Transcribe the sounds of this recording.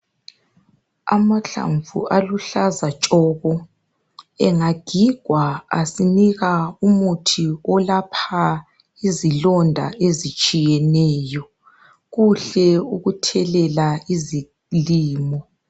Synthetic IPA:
a̰maɬa̰ɱvṵʔaluɬazat͡ʃʼɔːɣɔ | ɛŋaɡ̥ʱiɡ̥ʱwaa̰siniɣaumutʰiɔlapʰa | izilɔndʱa̰ʔezit͡ʃʼijɛnɛːjɔ | ɣuɬɛuɣutʰɛlɛlaizi | liːmɔ

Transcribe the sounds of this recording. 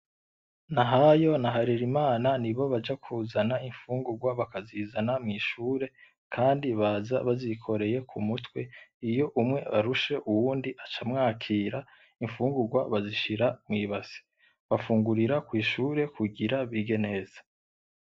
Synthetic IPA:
naɦajo̞naɦaɾiɾimaːnaniβo̞βad͡ʒakʰuːzanaiɱfuːŋɡuɾɡwaβakazizanamŋiʃuːɾe̞ | kʰaːndiβaːza̰βazikʰo̞ɾe̞je̞kʰumutwe̞ijo̞ʔumŋe̞βaɾuʃe̞ʔuwuːndiʔat͡ʃamŋaːkʰiːɾa | iɱfuːŋɡuɡwaβaziʃiɾamŋiːβasi̥ | βafuːŋɡuɾiɾakwiːʃuːɾe̞kuɡiɾaβiɡe̞ne̞ːz̥ḁ

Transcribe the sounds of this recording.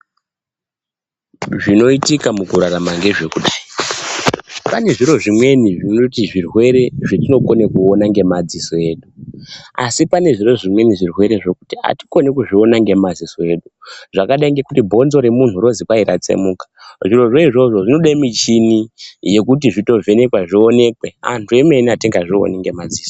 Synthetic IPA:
ʐino̞itikamukuɾaramaŋɡe̞ʐe̞kuɗaːi | pane̞ʐiɾo̞ʐimwe̞niʐinotiʐirwe̞ɾe̞ʐetino̞ko̞ne̞kuonaŋɡe̞mad͡zisoe̞ːɗua̰sipane̞ʐiro̞ʐimwe̞niʐirwe̞ɾe̞ʐe̞ku̥tia̰ti̥ko̞nekuʐio̞naŋɡe̞mad͡zisoe̞ɗuʐakaɗaiŋɡekutibʱo̞nzo̞ɾe̞mun̤uɾo̞zikwaiɾat͡sḛmuːkḁʐiɾo̞ʐe̞iʐo̞ʐo̞ʐino̞ɗamit͡ʃinije̞kut̬iʐito̞vʱe̞ne̞kwaʐio̞ne̞kwe̞a̰ntʰue̞me̞niatiŋɡaʐio̞̰niŋɡe̞mad͡ziːso

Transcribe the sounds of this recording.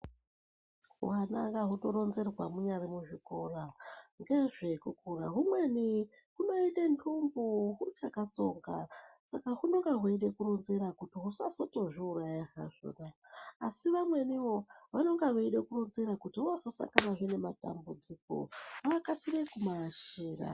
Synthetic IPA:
wanaŋɡaɦuto̞ɾo̞nze̞rwamuɲarimuʐiko̞raŋɡe̞ʐe̞kukura̰ɦumwe̞ni | ɦuno̞itentʰumbuɦut͡ʃakat͡so̞ŋɡa̰sakaɦuno̞ŋɡeɦuiɗe̞kuronzeɾakutiɦusasoto̞ʐiurajaɦa̰ʐo̰naːsiʋamwe̞niwo̞ʋano̞ŋɡaɦuiɗekuronzeɾakutiuasosa̰ŋɡanaʐene̞mata̰mbud͡ziko̞̰wakasiʋekumaʃiːra̰

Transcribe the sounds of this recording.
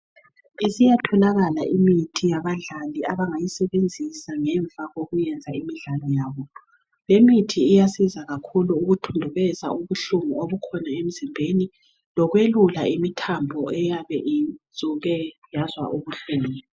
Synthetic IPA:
isijatʰɔnaɣala̰ʔimitʰijaβaɮaliaβaŋajisɛβend͡zʱisaŋɛɱb̪vʱaɣoɣujɛnd͡zʱaimiɮalɔjaːβɔ | βemitʰiːjasizaɣakʰuluːɣutʰundʱuβɛza̰uβuɬumuoβukʰɔnaem̩zimbʱeni | lɔɣwelula̰imitʰambʱɔɛjaβɛʔizʱʼuɣɛjazwa̰ʔuɣuɬɛlɛː

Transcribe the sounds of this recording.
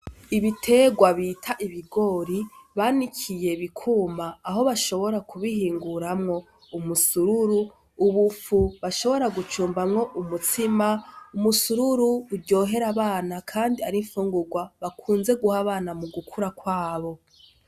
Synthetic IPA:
iβitʰe̞ɡwaβitʰaʔiβiɡo̞ɾiβaːnikʰije̞βikʰuːmaːɦo̞βaʃo̞βo̞ɾakʰuβihiːŋɡuɾamŋo̞ | umusuɾuɾu | uβufuβaʃo̞βo̞ɾaɡut͡ʃuːmbamŋo̞ʔumutimaumusuɾuɾuːɾɟo̞ːɦe̞ɾaβaːnakʰaːndiaɾiɱfuːŋɡuɡwaβakʰuːnze̞ɡuhaβaːnamuɡukʰuɾakwaːβo̞

